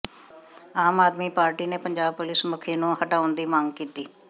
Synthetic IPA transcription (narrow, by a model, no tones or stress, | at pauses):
aːmaːd̪miːpaːɾʈiːneːpəɲd͡ʒaːb̚pʊlɪsmʊkʰːeːnũːɦəʈaːʊnd̪iːmaːŋɡkiːt̪iː